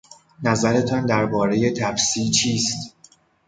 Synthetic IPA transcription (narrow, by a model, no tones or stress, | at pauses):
næzæɾe̞t̪ʰɒnd̪æɾbɒːɾe̞je̞t̪ʰæfsiːt͡ʃʰiːst̪